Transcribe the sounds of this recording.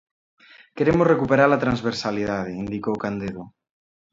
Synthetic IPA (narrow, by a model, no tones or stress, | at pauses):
keɾemozrekupeɾaɾlat̪ɾãnzβeɾsaliðað̞eind̪ikoːkand̪eðo